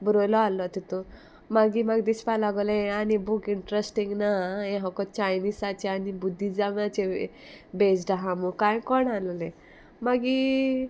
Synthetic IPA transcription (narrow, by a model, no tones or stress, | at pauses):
bɾojlɔalɔt̪it̪u | maɡimaɡd̪ispalaɡɔleañibukiɳʈɾesʈiŋɡnaeɦɔkɔt͡ɕajnisat͡ɕeanibud̪ʱːid͡zamat͡ɕe | bed͡zɖaɦamukãjkɔɳalle | maɡi